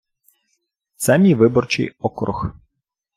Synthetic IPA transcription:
t̪sɛmʲiʋɪbɔrt͡ʃɪ̰jɔkɾʔʊ̰x

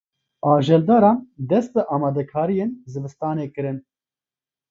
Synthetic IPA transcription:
ɑːʒɛld̪ɑːɾɑːnd̪ɛst̪ɨʔɑːmɑːd̪ɛkʰaːɾijenzɨbɨst̪ɑːneːkɨɾɨn

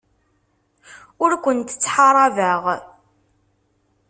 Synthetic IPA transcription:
ʊɾkʷənt̪ə̥t͡sːħɑɾˤɑvəʁ

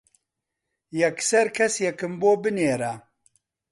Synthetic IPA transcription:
jɛksɛɾkʰɛsjɛkɨmboːbɨneːɾa

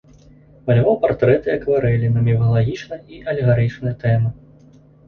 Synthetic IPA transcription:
mɐlʲvɔpart̪ɾɛt̪ɨɐkvaɾɛlʲinɐmʲɛvɐlˠaɣʲit͡ʂnɐjɐiʔɐlʲɛɣaɾɨt͡ʂnɨjɐt̪ɛmɐ

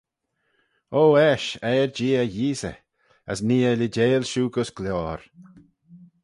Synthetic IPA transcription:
oːɛʃɛːɹd͡ʒiːəjiːsə̰ | ə̰sniːələd͡ʒeːlʃuːɡʊsɡ̥lɔːɾ

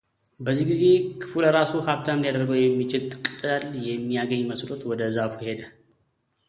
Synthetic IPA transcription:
bəzːihɡize̞kʰɨ̥fuləɾasuhaβt̪ʰand̪ijad̪əɾɡəwjɛmːit͡ʃɪlt̪ʼɨkʼɨt̪ʼɨaljɛmːijaɡəɲːməslo̞t̪wɔd̪əzafuhe̞d̪ə

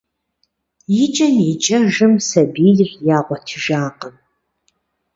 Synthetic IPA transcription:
jɪt͡ʃʼɐnɪt͡ʃʼɐʒɨmsɐbiːdrjaːʁʷɔtʰɨʒaːqəm

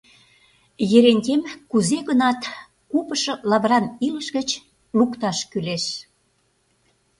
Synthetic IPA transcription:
jeɾenʲtʲemkuzeɣənɑt̪ | kupəʃɤ̆lɑβɾɑniləʃɣət͡ɕ | lukt̪ɑʃkyleʃ

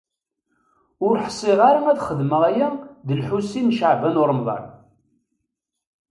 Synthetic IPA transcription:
ʊɾħsˤːiʁaɾamæðχəðməʁæjæðəlħusːinʃəʕbænʊɾˤmðˤɑ̰n

